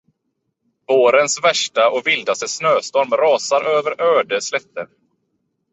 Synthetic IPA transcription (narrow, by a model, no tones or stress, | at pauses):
voːɾənsvæʂʈaʔɔkvɪld̪ast̪əsnøːst̪ɔɾmɾɑːsaɾøːvəɾʔøːɖəslɛt̪ːə̰ɾ